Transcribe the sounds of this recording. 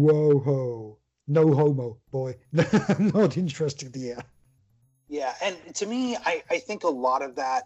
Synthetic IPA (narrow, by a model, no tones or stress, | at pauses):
woʊɦoʊ | noʊɦoʊmoʊb̥ɔɪnnoɾɪ̃nt͡ʃɹ̥ɛstɪ̃iɛ | jæɨ̃ntʰɨmiaɪʔaɪθɪ̃ŋkəlɔɾʌvðæt̚